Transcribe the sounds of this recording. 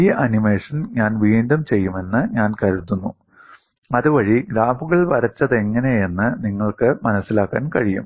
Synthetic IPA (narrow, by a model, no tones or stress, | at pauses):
iːʔɐnimeːʂɐnɲaːnʋiːɳɖɐmt͡ɕe̞jːume̞nːɨɲaːnkɐɾut̪ːunːu | ɐðuʋɐɻiɡɾaːbuɣɐɭʋɐɾɐt͡ɕːɐðe̞ŋːɐneje̞nːɨniŋːɐɭkɨmɐnɐsːilaːkːa̰ːnkɐɻijṵm